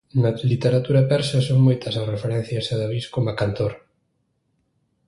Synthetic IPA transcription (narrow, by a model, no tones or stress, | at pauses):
nɐlit̪eɾat̪uɾɐpɛɾsɐsoŋmojt̪ɐsarefeɾɛn̟θjɐseðaβiskomakant̪oɾ